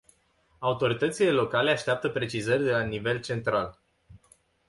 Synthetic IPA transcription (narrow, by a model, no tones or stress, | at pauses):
aut̪o̞ɾit̪ət̪sile̞lo̞kale̞aʃt̪eap̚t̪əpɾe̞t͡ʃizərʲd̪e̞lanive̞lt͡ʃe̞nt̪ɾal